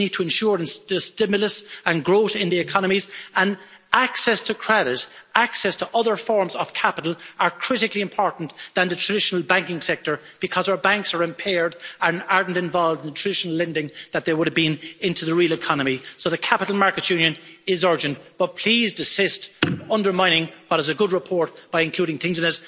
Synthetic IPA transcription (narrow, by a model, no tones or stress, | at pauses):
nid̚tʰəɨ̃nʃʊɹə̃nsəstɪmjəlˠəsə̃nɡɹoʊɾɪ̃nðiɪkʰɑnəmizə̃n | aksɛstʰəkʰɹ̥ɛɾɪɾaksɛstʰəʔʌðə˞fɔɹmzəv̥kʰapɪɾl̩ˠə˞kʰɹ̥ɪɾɪkliɨ̃mpʰɔɹʔn̩ðə̃nðətʰɹ̥ədɪʃnəl̩ˠbæ̃ŋkɪ̃ŋsɛk̚tə˞ | b̥ɨkʰʌzaʊə˞bãŋksə˞ɪ̃mpʰɛɹdə̃naɹdⁿn̩tɪ̃ɱvɑlˠvdɪ̃nðətʰɹ̥ədɪʃənəl̩ɛ̃ndɪ̃ŋðət̪̚ðə˞wʊɾəvbĩnɪ̃ntuðəɹilˠɪkʰɑnəmisoʊðəkʰapəɾl̩ˠmaɹkɨtjʉ̃njə̃nɪzɜ˞d͡ʒə̃nb̥ʌt̚pʰl̥izdɪsɪstʌ̃ndə˞mãɪ̃nɪ̃ŋwʌɾɪzəɡʊd̚ɹɪpʰɔɹt̚b̥aɪɨ̃nkʰuːɾɪ̃ŋθɪ̃ŋzɨ̃nɪs